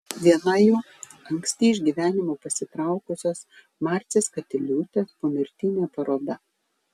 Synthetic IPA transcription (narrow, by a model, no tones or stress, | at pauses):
ʋʲiɛnɐjuː | ɐŋksʲt̪ʲiːɪʒʲɡʲiːʋʲæːnʲɪmoːpɐsʲɪt̪ɾɑˑʊkʊsʲoːs | mɑːɾʲt̪sʲeːskɐt̪ʲɛlʲuːt̪ʲeːspoːmʲɪɾʲt̪ʲɪːnʲeːpɐɾoːd̪ɐ